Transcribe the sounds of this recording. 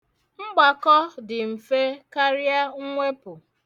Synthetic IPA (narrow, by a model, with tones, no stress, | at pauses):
ŋ͡m̩˦ɡ͡ba˨kɔ˦dɪ˨m̩˨fe˦ka˦ɾja˦ŋʷe˦pʊ˨